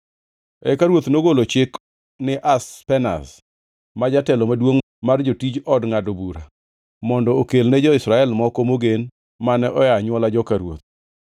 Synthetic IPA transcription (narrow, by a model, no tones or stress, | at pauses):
ɛkaɾwot̪noɡolot͡ʃɪk | nɪʔaspɛna̰s | mad͡ʒatɛlɔmadwoŋ | mard͡ʒotid͡ʒɔdŋadobuɾa | mɔndɔokelnɛd͡ʒɔɪsɾaɛlmɔkomoɡen | manɛʔɔjaɲwɔlad͡ʒɔkaɾwo̰t̪̚